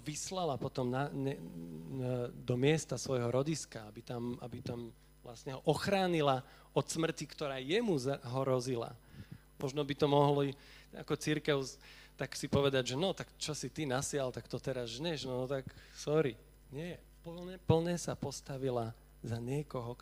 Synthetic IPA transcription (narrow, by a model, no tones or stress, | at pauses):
ʋislalapɔt̪ɔmnaɲɛ | d̪ɔmɪɛst̪asʋɔjɦɔɾɔɟiskaabit̪ama̰bit̪am | ʋlasɲɛɦɔʔɔxɾaːɲila | ɔt̪smr̩cikt̪ɔɾaːjɛmuzaɦɔɾɔzila̰ | mʔɔʒnɔbit̪ɔmɔɦlɔia̰kɔt͡siɾkɛʊt̪aksipɔʋɛd̪aɟʒɛnɔt̪akt͡ʃɔsit̪inasɪalt̪akt̪ɔt̪ɛɾazʒɲɛʒnɔt̪aksɔɾi | ɲɪɛɛ | pɛpl̩ɲɛsapɔst̪aʋila | zaɲɪɛkɔɦɔ